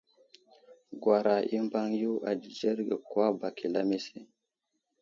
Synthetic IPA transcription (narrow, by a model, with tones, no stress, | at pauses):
ɡwa˨ɾa˨ʔi˦mba˦ŋju˦ʔa̰˨d͡ʒi˨d͡ʒe˦ɾɡe˨kwa˦ba˨ki˨la˦me˦se˦